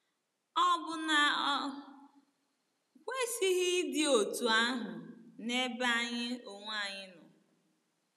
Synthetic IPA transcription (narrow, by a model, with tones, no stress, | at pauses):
ɔ˦bʊ˨na˨˦˨ | kʷe˦si˦ɣɪ˦dɪ˦o˨tu˨a˦ɦʊʊ˨ne˦ba˦ɲɪ˦o˨ŋʷ˦a˦˨ɲɪ˦nʊ˨